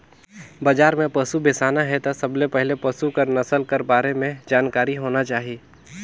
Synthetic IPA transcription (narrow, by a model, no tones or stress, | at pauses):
bɐd͡ʒaːɾmẽpɐsubɪsaːnaɦɛt̪asɐblepɛɦlepɐsukəɾnɐsəlkɐɾbaːɾemẽd͡ʒaːnkaːɾiɦoːnat͡ʃaːɦieː